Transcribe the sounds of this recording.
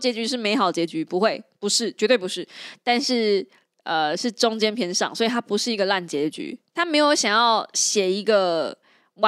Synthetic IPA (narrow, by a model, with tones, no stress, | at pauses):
t͡ɕjɛ˧˥t͡ɕy˧˥ʂ̬ɻ̩˥˩me˧˥ɪxɑ˨˩ʊd̪ə˨t͡ɕjɛ˧˥t͡ɕy˧˥pu˧˥xwe˥˩ɪpu˧˥ʂɻ̩˥˩t͡ɕɥɛ˧˥t̪we˥˩ɪpu˧˦ʂɻ̩˥˩t̪a˥˧nʂɻ̩˥˩ | ə˨ʂɻ̩˥˩ʈ͡ʂʊ˥ŋt͡ɕjɛ˥npʰjɛ˧˥nʂɑ̰˨˩ŋswɔ˧˥i˨˩t̪ʰa˥pu˧˥ʂɻ̩˥˩i˧˥ɡə˧la˥˩nt͡ɕjɛ˨˥ə˧t͡ɕy̰˧˥t̪ʰa˥me˧˥ɪjo˧˥ʊɕjɑ˨˩ŋjɑ˥˩ʊɕjɛ˨˩i˧˥ɡə˧ | wa˦